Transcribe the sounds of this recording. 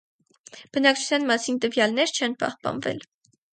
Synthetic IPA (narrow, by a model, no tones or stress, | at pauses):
b̥ənɑk̚t͡ʃʰu̥t͡sʰjɑnmɑsint̪əvjɑlnɛɾt͡ʃʰɛnpɑ̰hpɑ̰nvɛ̰l